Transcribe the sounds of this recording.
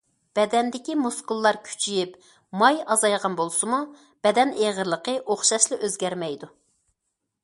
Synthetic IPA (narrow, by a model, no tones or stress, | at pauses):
b̥ɛd̪ɛnd̪ɪkʲimuskulˠːɑɾkʲʰy̥t͡ʃʰijip | mɑjɑzɑjʁɑnbolˠsɨmu | b̥ɛd̪ɛneʁəɾlˠəqʰəʔoχʃɑʃlˠɨʔøzɡʲɛɾmɛjd̪u